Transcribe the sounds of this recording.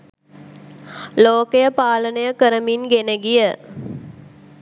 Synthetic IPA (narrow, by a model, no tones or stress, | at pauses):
loːkejəpaːlənəjəkəɾəminɡenəɡijə